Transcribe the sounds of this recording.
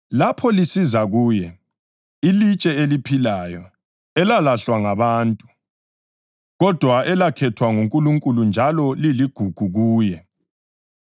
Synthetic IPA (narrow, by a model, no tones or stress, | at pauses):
lapʰɔlisizaɣuːjɛ | ilit͡ʃʼɛelipʰilajɔ | ɛlalaɬwaŋaβaːntʼu | ɣɔd̥ʱwaʔɛlakʰɛtʰwaŋuŋkʼuluŋkʼulund͡ʒʱalɔliliɡ̥ʱuɡ̥ʱuɣuːjɛ